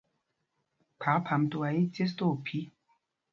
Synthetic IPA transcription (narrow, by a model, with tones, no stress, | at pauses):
pʰa˨˦pʰa˨mto˨a˨i˦t͡se˦s̬to˦˨pʰi˦